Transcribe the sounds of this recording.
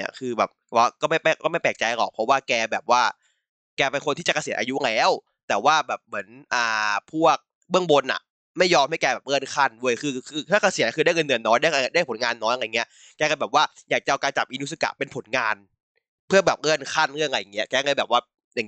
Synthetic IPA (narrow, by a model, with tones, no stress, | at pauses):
ɐ̰kʰɯː˧bɛː˨˩p̚a˥˩kɔː˥˩ma˥˩jpɛ˧˩kɔː˥˩ma˥˩jplɛː˨˩k̚t͡ɕa˧jkɔ̰ː˨˩k̚pʰɔ˦˥waː˥˩kɛː˧bɛː˨˩p̚waː˥˩ | kɛː˧pe˧nkʰo˧nt̪ʰiː˥˩t͡ɕa˨˩ka˧si˨˩˦nʔa˧ju˦˥ʔa˨˧ŋlɛː˧˥˨w | t̪ɛː˨˩waː˥˩bɛː˨˩p̚mɯ˩˦ənʔaː˨˩pʰu˥˩ɐk̚ | bɯ˥˩əŋbo˧nʔa̰˨˩ | ma˥˩jːɔː˧mha˥˩jkɛː˧bɛː˨˩p̚ʔɤː˥˩ə˨nkʰa˥˩ndu˥˩əjkʰɯː˧kʰɯː˧t̪ʰaː˥˩kʰa˧si˨˦n˧kʰɯ˧da˥˩ŋə˧nːɯ˨˩ənːɔː˦˥jndaː˥˩˧da˥˩˨pʰo˩˦nŋaː˧nːɔː˦˥ja˨˧˨ŋi˦˥ɐ | kɛː˧ka˧˩bɛː˨˩p̚waː˥˩jaː˨˩k̚t͡ɕa˨ʔa˧wkaː˧nt͡ɕa˨˩p̚ʔiː˧nu˦˥sɯ˧˩ka̰˨˩ʔpe˧npʰo˨˩˦nŋaː˧n | pʰɯ˥˩ɐbɛː˨˩p̚ŋɤː˥˩ənkʰa˥˩nɾɯ˥˩əŋʔa˧ja˨˩ŋːi˦˥ɐkɛː˧ŋɤː˧˥jbɛː˨˩p̚waː˥˩ | ja˨ŋ